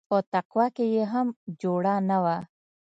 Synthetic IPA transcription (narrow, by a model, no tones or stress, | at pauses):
ot̪aqwakejeɦamd͡ʒoɽanawa